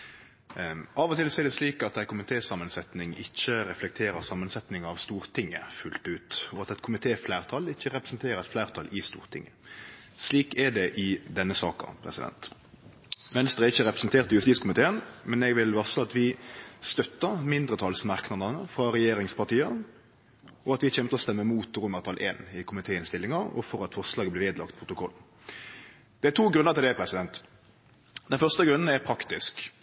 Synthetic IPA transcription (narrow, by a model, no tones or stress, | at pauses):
ɑːʋɔt̪ɪlsɔɛɖ̪ɛsliːkɑt̪æɪkʰʊmɪt̪ʰeːsɑmːənsɛt̪nɪŋɪçːəɾɛflɛk̚t̪ʰeːɾəʁsɑmːənsɛt̪nɪŋɑʋst̪uːɾt̪ʰɪŋːəfʉlt̪ʉːt̪ɔɑt̪ɛt̪kʰʊmɪt̪ʰeːflæːʁt̪ʰɑlɪçːəʁɛpɾəsn̩t̪ʰeːɾəɾɛt̪flæːʁt̪ʰɑlʔɪst̪ṵːʁt̪ʰɪ̰ŋːə | sliːkɛɖ̪ɛʔɪd̪ɛnːəsɑ̰ːkɑ̰pʰɾɛ̰sɪd̪ɛ̰nt̪ | ʋɛnst̪ʁəɛɪçːəɾɛpɾəsnt̪ʰeːʁt̪əjʉst̪iːskʰʊmɪt̪ʰeːənmɛnɛɡʋɪlʋɑʁsəɑt̪ʋɪst̪œt̪ːəʁmɪnd̪ʁət̪ʰɑːlsmɑʁknɑd̪ɑnəfʁɑɾɛjeːɾɪŋspɑʁt̪iːə | ɔɑt̪ʋɪçɛmt̪əɔst̪ɛmːəmuːt̪ʁʊməʁt̪ʰɑlʔḛːnɪkʰʊmɪt̪ʰeːəɪnst̪ɪlːɪŋɑɾɔ̰fɔɾɑt̪fɔʁslɑːɡəblɪʋeːd̪lɑ̰kt̪̚pʰʁʊt̪ʊkʰɔl̩ | d̪̥ɛæt̪ʰuːɡɾʉnəʁt̪ʰɪld̪ɛpʰɾɛsɪd̪ɛnt̪ | d̪ɛnfœʁst̪əɡʁʉnːn̩æpʰɾɑkt̪ɪsk